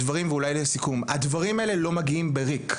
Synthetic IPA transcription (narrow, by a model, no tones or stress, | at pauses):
dvaʁimveulajlsikumad̪vaʁimaele̞lo̞maɡiimbeʁik